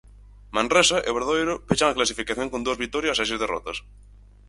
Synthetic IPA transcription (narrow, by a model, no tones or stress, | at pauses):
mãnresaʔeβeɾðojɾopet͡ʃaŋaklasifikaθjoŋkond̪uɐzβik̚t̪ːɔɾjasasizðerɔ̰t̪ɐs